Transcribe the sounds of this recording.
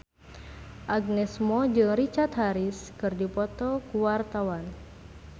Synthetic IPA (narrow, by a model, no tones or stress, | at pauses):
ʔaɡnɛsmɔd͡ʒɨŋrit͡ʃart̪ɦaɾiskɨrdipɔt̪ɔkuwart̪awan